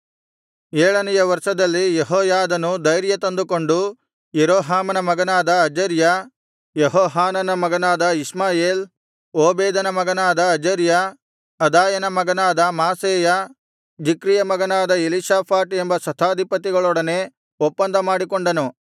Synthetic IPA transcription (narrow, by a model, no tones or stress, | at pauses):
ɛːɭɐnɛjɐʋɐɾʂɐd̪ɐlːijeɦɔːjaːd̪ɐnud̪ɐjɾjɐt̪ɐnd̪ukoɳɖu | jeɾoːɦaːmɐnɐmɐɡɐnaːd̪ɐːd͡ʒɐɾjɐ | jeɦɔːɦaːnɐnɐmɐɡɐnaːd̪ɐismaːjeːl | oːbeːd̪ɐnɐmɐɡɐnaːd̪ɐːd͡ʒɐɾjɐː | d̪aːjɐnɐmɐɡɐnaːd̪ɐmaːseːjɐ | d͡ʒikɾijɐmɐɡɐnaːd̪ɐeliʃaːpʰaːʈembɐsɐt̪ʰaːd̪ʱipɐt̪iɡɐɭɔɽɐne̞ː | ɔpːɐnd̪ʱɐmaːɽikoɳɖɐnu